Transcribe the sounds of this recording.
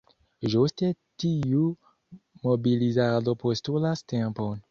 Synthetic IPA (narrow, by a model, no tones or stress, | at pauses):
ʒost̪etiju | mobilizaʁd̪opost̪ulastɛ̃pɔn